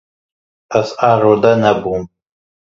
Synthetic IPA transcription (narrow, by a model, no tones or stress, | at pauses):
asaɾɔd̪anabum